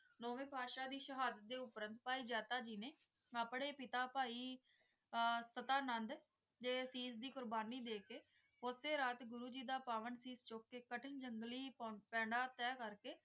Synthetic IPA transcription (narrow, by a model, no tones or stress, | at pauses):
noːʋẽːpaːʃaːd̪iːʃəɦaːd̪ət̪̚d̪eːʊpɾənt̪̚paːiːd͡ʒɛːt̪aːd͡ʒiːneː | aːpɳeːpɪt̪aːpaːiː | sət̪aːnənd̪ | d͡ʒeːsiːzd̪iːkʊɾbaːniːd̪eːkeː | ʊseːɾaːt̪ɡʊɾuːd͡ʒiːd̪aːpaːʋənsiːst͡ʃoːkːeːkəʈʰɪnd͡ʒəŋɡliːpɛ̃ːɳɖaːt̪ɛːkəɾkeː